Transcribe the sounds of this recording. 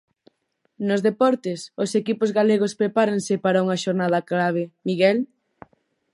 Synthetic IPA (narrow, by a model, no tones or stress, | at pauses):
nʊzðepɔɾt̪ɪsʊsekipozɣaleɣ̞ospɾepaɾɐŋsɪpaɾɐuŋɐʃoɾnaðɐklaβ̞emiɣɛl